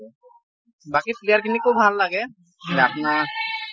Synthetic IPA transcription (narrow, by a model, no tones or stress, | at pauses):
bakiplijəɾkinikobʱalːaɡe | leapna